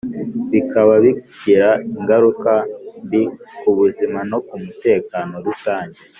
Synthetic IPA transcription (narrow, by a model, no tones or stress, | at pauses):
βikaβaβiɟiɾaiŋɡaɾukanbikuβuzimano̞kumute̞ːkaːno̞ɾusaːɲɟe